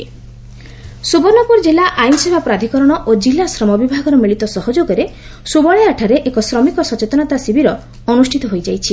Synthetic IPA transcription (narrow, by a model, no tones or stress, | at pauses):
subɔɾnɔpuɾɔd͡ʒilaʔajnɔsebʱapɾad̪ʱikɔɾɔɽ̃ɔʔod͡ʒilːasɾɔmɔbibʱaɡɔɾɔmiɭit̪ɔsɔɦɔd͡ʒoɡɔɾe | subɔɭjaʈʰaɾeʔekɔsɾɔmikɔsɔt͡ʃet̪ɔñat̪asibiɾɔ | ɔnusʈʰit̪ɔɦojd͡ʒajt͡ʃʰi